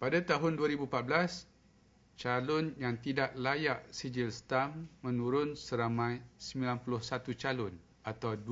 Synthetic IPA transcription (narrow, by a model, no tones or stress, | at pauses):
padat̪aɦʊnduaɾibupat̪̚blas | t͡ʃalʊnjaŋt̪idaʔlajaʔsid͡ʒilst̪amːə̃nuɾʊnsəɾamãjsəmilanpulʊhsat̪ut͡ʃalʊn | at̪awd